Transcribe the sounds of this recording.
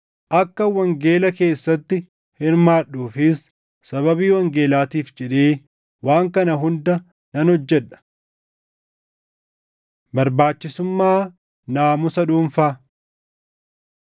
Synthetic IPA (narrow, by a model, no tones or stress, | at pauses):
ʔɐkːɐwɐŋɡe̞ːlɐke̞ːsːɐt̪ːɪ | hɪɾmaːɗuːfɪsː | ɐβɐbiːwɐŋɡe̞ːlaːt̪iːfd͡ʒɛᶑeː | waːŋkɐnɐɦʊnd̪ɐ | nɐnhɔd͡ʒːɛᶑɐ̥ | bɐɾbaːt͡ʃːɪsʊmːaː | naːmʊsɐᶑuːɱfaː